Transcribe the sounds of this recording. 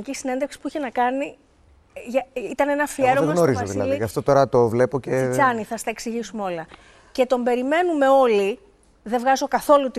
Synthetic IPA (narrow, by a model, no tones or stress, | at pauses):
icisine̞nd̪eksi̥puiçe̞nɐkɐni | ʝɐit̪ɐne̞nɐfieɾomnoɾizɐilɐliɐft̪o̞t̪o̞ɾɐt̪ovle̞pocet͡sɐniθɐst̪ɐe̞ksiʝisumeo̞lɐ | ce̞t̪o̞mbe̞ɾime̞nume̞o̞li | ðe̞vɣɐzo̞kɐθo̞lut̪